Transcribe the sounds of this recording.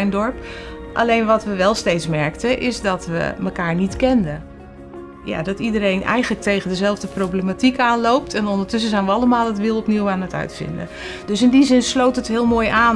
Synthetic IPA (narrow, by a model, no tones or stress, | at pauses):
jndɔɹpʔa̰lejnʋɔtʋəʋɛlˠstejtsmɛɹktəʔɪzdɔtʋə̰məkaːɹnitkɛndə | ja̰dɔtidəɾejnʔɛ̰jχənlək̚tejɣəndəzɛlˠvdəprowbləmatikaːnlowp̚tʰɛnɔndəɹtʏs̬əzɛjnʋəɑlˠəmaːlˠətʋɪlˠɔpniwaːnətœ̰ɥtfɪ̰ndə̰ | d̥ɵsɪndizɪnslowtətɦɪːlˠmoːjʔaː